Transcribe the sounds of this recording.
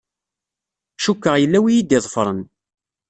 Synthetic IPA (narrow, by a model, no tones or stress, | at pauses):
ʃukːəʁjəlːæwijid̪iðˤfɾˤən